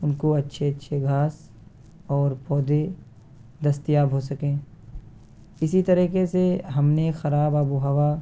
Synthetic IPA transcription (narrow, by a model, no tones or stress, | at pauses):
ʊnkoɐtːʃʰeɐtːʃʰeɡʱaːs | ɔːɾpɔːd̪e | d̪ɐst̪ijaːbɦosɐkẽː | ɪsit̪ɐɾiːkeseɦɐmnexɐɾaːbabuɦɐʋa